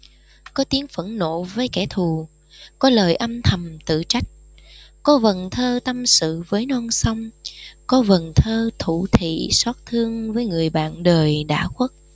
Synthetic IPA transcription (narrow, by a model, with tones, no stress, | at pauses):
kɔ˨˦t̪i˨˦əŋfə˧˩ŋno̰˧˨vəː˨˦jkɛ˧˩t̪ʰu˨˩ | kɔ˨˦ləː˨˩jʔə˧mt̪ʰə˨˩mt̪ɨ̰˧˨t͡ɕa˦˥jk̟̚ | kɔ˨˦və˨˩nt̪ʰəː˧t̪ə˧msɨ̰˧˨vəː˨˦jnɔ˧nsə˧wŋ͡mkɔ˨˦və˨˩nt̪ʰəː˧t̪ʰu˧˩t̪ʰḭ˧˨saː˦˥t̚t̪ʰɨ˧əŋvəː˨˦jŋɨ˨˩əjɓa̰ː˧˨nɗəː˨˩jɗa̰ː˧˥˩xwə˦˥t̚